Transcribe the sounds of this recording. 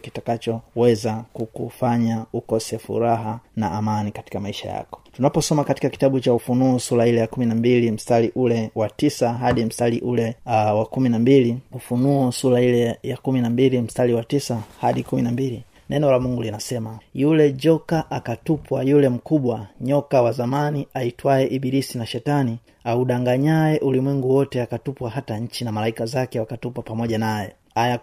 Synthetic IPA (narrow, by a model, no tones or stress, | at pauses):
ki̥takat͡ʃɔwɛzakukufaɲaukɔsɛfṵɾaɦana̰ːmanikati̥kamaiʃa̰ja̰kɔ̥tunapɔsɔmakati̥kaki̥taɓut͡ʃaufunuɔsuɾailɛjakuminambilim̩staliʔulɛwatisaɦaɗim̩staliʔulɛwakuminambiliufunuɔsuɾailɛjakuminambilim̩staliwatisahaɗikuminambili | nʔɛnɔlamuŋɡulinasɛmajulɛd͡ʒɔkaʔakatupwajulɛm̩kuɓwaɲɔkawazamaniaitwaɛʔiɓiɾisinaʃɛtani | auɗaŋɡaɲaɛʔulimwiŋɡuwɔtɛakatupwaɦataɲ̩t͡ʃinamalaikazakɛwakatupwapamɔʄanajɔ̰ | aja